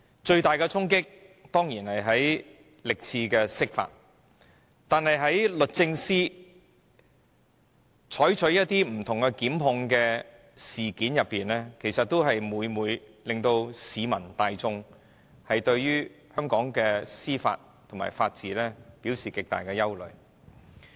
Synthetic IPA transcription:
t͡ʃɵ˧ɥt̪aː˨jkɛ˧t͡sʰʊ˥ŋkɪ˥k̚t̪ɔː˥ŋjiː˨˩nhɐ˨jɦɐ˨˥j | lɪ˨k̚t͡sʰiː˧kɛː˧sɪ˥k̚fa̰ː˧t̚ | t̪aː˨nɦɐ˨jɦɐ˨˥jlɵ˨t̚t͡sɪ˧ŋsiː˥ | t͡ʃʰɔː˨˥jt͡ʃʰɵ˨˥jɐ˥t̚t̪iː˥m̩˨˩t̪ʰʊ˨˩ŋkɛ˧kiː˨˥mɦʊ˧ŋkɛː˧ | siː˨kiː˨˥njɐ˨pːiː˨˩nlɛː˥kʰe˨˩jsɐ˨t̚t̪o˥wɦɐ˨jmuː˨˧jmuː˨˧jlɪ˨ŋt̪o˧wsiː˨˧mɐ˨˩nt̪aː˨jt͡sʊ˧ŋ | hɐ˨jt̪ɵ˧ɥjyː˥ | hœː˥ŋkɔː˨˥ŋkɛː˧siː˥fa̰ː˧t̚t̪ʰʊ˨˩ma̰ː˨˩jfaː˧t̚t͡siː˨lɛː˥piː˨˥wsiː˨kɪ˨k̚t̪a̰ː˨jkɛː˧jɐ˥wlɵ̰˨ɥ

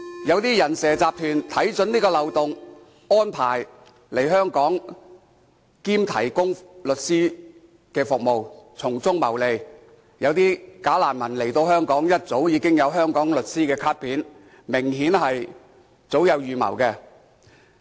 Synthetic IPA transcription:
jɐ˨˧wt̪iː˥jɐ˨˩nsɛː˨t͡saː˨p̚t̪ʰyː˨˩nt̪ʰɐ˨˥jt͡sɵ˨˥niː˥kɔː˧lɐ˨wt̪ʊ˨ŋ | ɔː˥npʰaː˨˩j | le˨˩jɦœː˥ŋkɔː˨˥ŋ | kiː˥mt̪ʰɐ˨˩jkʊ˥ŋlɵ˨t̚siː˥ | kɛː˧fʊ˨k̚mo˨wt͡sʰʊ˨˩ŋt͡sʊ˥ŋmɐ̰˨˩wle˨˧j | jɐ˨˧wt̪iː˥kaː˨˥laː˨˩nmɐ˨˩nle˨˩jt̪o˧whœː˥ŋkɔː˨˥ŋjɐ˥t̚t͡so˨˥wjiː˨˧kɪ˥ŋjɐ˨˧wɦœː˥ŋkɔː˨˥ŋlɵ˨t̚siː˥kɛː˧kʰaː˥t̚pʰiː˨˥n | mɪ˨˩ŋɦiː˨˥nɦɐ˨j | t͡so˨˥wjɐ˨˧wjyː˨mɐ̰˨˩wkɛ˧

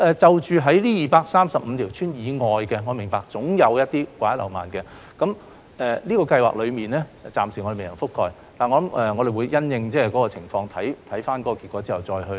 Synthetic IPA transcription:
ʔɛː˨˩t͡sɐ˨wt͡ʃyː˨˧ɦɐ˨˥jliː˥jiː˨paː˧k̚saː˥msɐ˨p̚m̩˨˧t̪ʰiː˨˩wt͡ʃʰyː˥njiː˨˧ŋɔː˨jkɛ˧ŋɔː˨˧mɪ˨˩ŋpaː˨k̚t͡sʊ˨˥ŋjɐ˨˧wjɐ˥t̚t̪iː˥kʷaː˧˥jɐ˥tlɐ˨˩wma̰ː˨˩nkɛ˧ | kɐ˨˥m | ʔɛː˨liː˥kɔː˧kɐ˧jwa̰ː˨k̚lɵ˨˧ɥmiː˨˩nlɛː˥˨˩t͡saː˨msi˨˩ɔ˧de˨˩me˨jɐ˨˩fʊ˥kʰːɔː˧j | laː˨˩ŋɔː˨˧lɐ˨˥mʔɛː˨ŋɔː˨˧d̪e˨jwuː˨˧jːɐ˥njɪ˧ŋt͡sɛː˥kɔː˨˥kɔː˧t͡sʰɪ˨˩ŋfɔː˧ŋt̪ʰɐ˨˥jt̪ʰɐ˨˥jfaː˥nkɔ˨˥kɔː˧ki˨t̚kɔː˨˥t͡siː˥hɐ˨˩wt͡sɔː˧jɦɵ˧

